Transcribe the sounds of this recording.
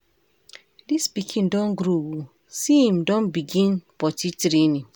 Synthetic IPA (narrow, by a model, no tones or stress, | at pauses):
dispikʰĩndɔ̃nɡɾowo | siĩmdɔ̃nbiɡĩnbɔtitɾenĩ